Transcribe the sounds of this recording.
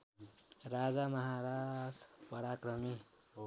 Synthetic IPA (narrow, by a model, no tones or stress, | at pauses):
ɾad͡zamʌɦaɾasʰpʌɾakɾʌmi